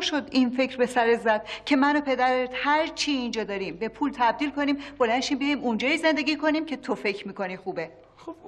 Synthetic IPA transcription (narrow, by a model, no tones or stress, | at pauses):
ʃo̞d̪infe̞cɾbe̞sæɾezæd̪̥̚cʰe̞mænopʰe̞d̪æɾet̪hæɾt͡ʃʰiːnd͡ʒɒːd̪ɒːɾimbe̞pʰuːlt̪ʰæb̚d̪iːlkʰo̞niːmb̥o̞lænʃiːmbijiːmund͡ʒɒːjiːze̞nd̪e̞ɡʲiːkʰo̞niːmcʰe̞t̪ʰofe̞cʰɾmiːko̞niːxuːbe̞ | o